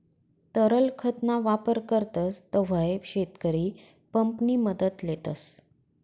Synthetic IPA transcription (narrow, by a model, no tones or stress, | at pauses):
t̪əɾəlkʰət̪naʋapəɾkəɾt̪əst̪əʋ̤əeɕet̪kəɾiː | pəmpniːməd̪ət̪let̪əs